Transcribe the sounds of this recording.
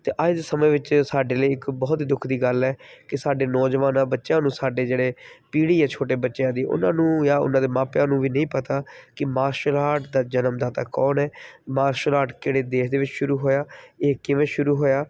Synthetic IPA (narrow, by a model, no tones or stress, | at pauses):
t̪eːʔad͡ʒd̪esəmẽːʋɪt͡ʃsaːɖeːləiːɪkbɔːt̪ːd̪ʊkʰd̪iːɡəlɛːkɪsaːɖeːnɔːd͡ʒʋaːnãːbətːʃjãːnũːsaːɖeːd͡ʒeːɽeːpiːɽiːɛːt͡ʃʰoːʈ̬eːbətːʃjãːd̪iːʔʊ̰nãːnũːjaːʊ̰nãːd̪eːmãːpjãːnũːʋiːnəĩːpət̪aːkɪmaːɾʃəlaːʈd̪aːd͡ʒənəmd̪aːt̪aːkɔːnɛːmaːɾʃəlaːʈkeːɽeːd̪eːʃd̪eːʋɪt͡ʃʃʊɾuːɦoːjaːeːkɪʋẽːʃʊɾuːɦoːjaː